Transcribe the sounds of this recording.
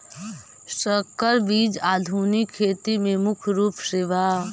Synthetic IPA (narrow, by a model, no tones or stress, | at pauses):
səkːəɾbiːd͡ʒaːd̪ʱuːnikʰːeːt̪imẽmʊkʰɾuːpsɪʋa